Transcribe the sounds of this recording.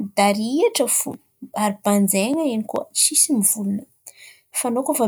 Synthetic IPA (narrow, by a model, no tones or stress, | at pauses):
d̪aɾiaʈ͡ʂəfṵ | aɾib̥and͡zeŋəenikuə̰t͡ʃisimivulunə̥ | fanokova